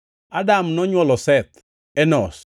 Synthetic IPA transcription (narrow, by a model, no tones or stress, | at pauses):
adamnɔɲwɔlɔsɛt̪ | ɛnɔs